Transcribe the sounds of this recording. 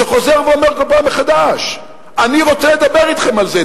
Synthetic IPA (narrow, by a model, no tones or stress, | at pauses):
eχo̞zeʁveomeʁkolpameχad̪aʃ | aniʁo̞t͡seled̪abeʁit̪χe̞malze